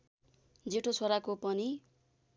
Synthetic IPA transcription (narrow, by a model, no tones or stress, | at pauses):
d͡zeʈʰot͡sʰoɾakopʌni